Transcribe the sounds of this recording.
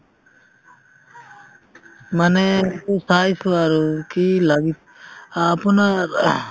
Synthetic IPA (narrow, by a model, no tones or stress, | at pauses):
manɛkusajsuaɾukilaɡit̪ | apɔnaɾ